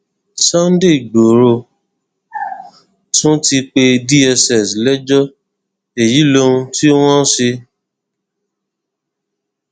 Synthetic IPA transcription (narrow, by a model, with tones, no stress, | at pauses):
sɔ˦n˦de˦˨ɡ͡bo˨ɾo˧˨ | tũ˦ti˧k͡pe˧di˦ɛ˧sɛ˨slɛ˦d͡ʒɔ˦ | e˨ji˨˦lõ˦ũ˧ti˦w̃ɔ̃˦si˧